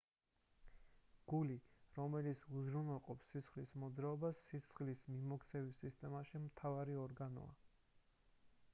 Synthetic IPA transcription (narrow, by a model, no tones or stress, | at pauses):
ɡ̥uliɾɔmɛlit̪sʰuzɾunɛlˠqʼɔpsːisχlismɔd̪zɾaɔbasːisχlismimɔkʰt̪sʰɛvisist̪ʼɛmaʃimt̪ʰavaɾiɔɾɡanɔ̰a̰